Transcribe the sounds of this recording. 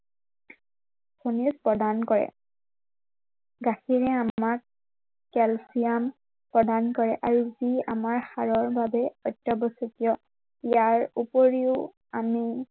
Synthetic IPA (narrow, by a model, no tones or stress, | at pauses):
pʰonispɹɔdankɔɹɛ̰ | ɡaxiɹɛamak | kɛlsijam | pɹɔdankɔɹɛʔaɹuziamaɹxaɹɔɹbabɛɔtːɔbɔsukijɔ | ijaɹupoɹiʊ | ami